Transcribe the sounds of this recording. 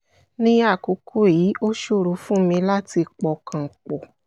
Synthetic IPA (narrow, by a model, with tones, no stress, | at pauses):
nĩ˦a˦˨ko˨˦kʰo˦˨ji˨˦ʔo˦ʃo˦˨ɾu˨˧˦fũ˦mĩ˧la˦ti˧k͡pɔ˨kʰã˧˨k͡pɔ˨